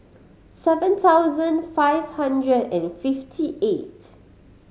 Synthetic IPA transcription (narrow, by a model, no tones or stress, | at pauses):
sɛvə̃nt̪awzə̃nfajv̥hãndɹədɛ̃nfiftʰiʔet